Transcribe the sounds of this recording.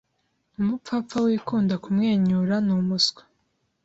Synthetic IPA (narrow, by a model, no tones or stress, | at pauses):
umup͡fap̪fawiːkuːndakumŋe̞ːɲuɾanumusɡwḁ